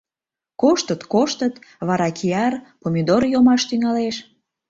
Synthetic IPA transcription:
koʃt̪ət̪koʃt̪ət̪βɑɾɑkʰiɑrpomʲid̪orjomɑʃt̪yŋɑleʃ

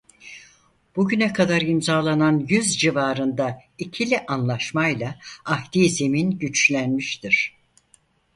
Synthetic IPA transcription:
b̥uɟynɛkʰad̪aɾimzaːlˠananjyzd͡ʒivaːɾɯnd̪aicʰilʲiʔanlˠaʃmajlˠaahd̪iːze̞minɟyt͡ʃlʲænmiʃt̪iɾ̝̥

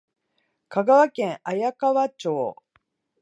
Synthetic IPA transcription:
kaɡaβakẽ̞ɰ̃ʔajakaβat͡ɕoː

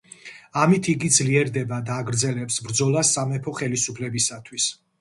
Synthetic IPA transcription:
amit̪ʰiɡid̪zliɛɾd̪ɛbad̪aːɡɾd̪zɛlɛpsbɾd̪zɔlˠasːamɛpʰɔχɛlisupʰlɛbisat̪ʰwis

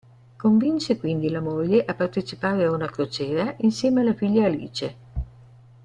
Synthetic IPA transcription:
koɱvint͡ʃekwind̪ilamoʎːeʔapːart̪et͡ʃipaːɾeaunakɾot͡ʃɛːɾaʔinsjɛːmealːafiʎːaːlḭːt͡ʃe

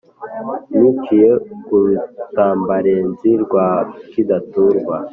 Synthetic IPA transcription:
nukʰijeɡuɾutaːmbaɾenziɾɡwakidatuɾɡwa

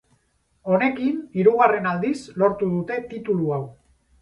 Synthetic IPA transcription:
o̞ne̞kiniɾuɣ̞are̞nald̪islo̞ɾt̪uð̞ut̪e̞t̪it̪uluaw

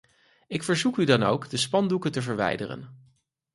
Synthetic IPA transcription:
ɪkfəɹzukydɑno̰wɡdəspɑndukətəvəɹʋɛ̰jdə̰rə̰n

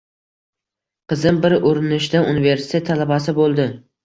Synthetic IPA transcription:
qʰɨzɪmbɪɾʔoɾɪnɪʃd̪aunive̞ɾsɪ̥t̪ʰe̞t̪ʰːalabasɪbolˠd̪ɪ

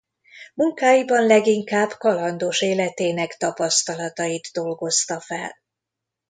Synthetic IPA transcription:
muŋkaːjibɒnlɛɡiŋkaːbkɒlɒnd̪oʃeːlɛt̪eːnɛkt̪ɒpɒst̪ɒlɒt̪ɒjid̪ːo̞lɡo̞st̪ɒfɛ̰l

